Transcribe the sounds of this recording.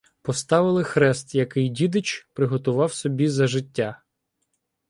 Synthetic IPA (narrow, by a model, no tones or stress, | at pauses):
pɔst̪ɑʋɪlˠɪxɾɛst̪jɐkɪjdʲid̪ɪt͡ʃpɾɪɦɔt̪ʊʋɑwsɔbʲizɐʒɪtʲːa